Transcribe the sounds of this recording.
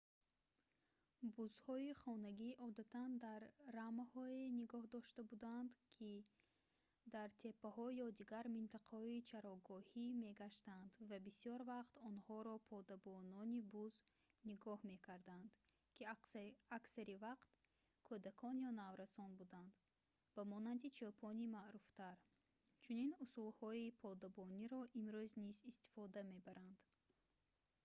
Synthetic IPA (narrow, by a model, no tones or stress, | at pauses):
buzhɔiχɔnaɡiʔɔd̪at̪ʰand̪aɾːamahɔeniɡɔhd̪ɔʃt̪abud̪and̪kʰi | d̪aɾt̪ʰe̞pːahɔjɔd̪iɡaɾmint̪ʰaqʰahɔit͡ʃʰaɾɔɡɔhime̞ɡaʃt̪and̪vabisijɔɾvaqt̪ɔnhɔɾɔpʰɔd̪abɔnɔnibuz | niɡɔhme̞kʰaɾd̪and̪̥ | kʰiaksaɾivaqt̪ | kʰod̪akʰɔnjɔnavɾasɔnbud̪and̪ | b̥amɔnand̪it͡ʃʰɔpʰɔnimaʔɾuft̪aɾ | t͡ʃʰuninusulhɔipʰɔd̪abɔniɾɔʔimɾøznizist̪i̥fɔd̪ame̞baɾʔand̪̥